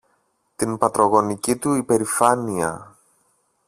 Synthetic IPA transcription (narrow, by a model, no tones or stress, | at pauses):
t̪inpɐt̪ɾo̞ɣo̞nicit̪uipe̞ɾifɐniɐ̰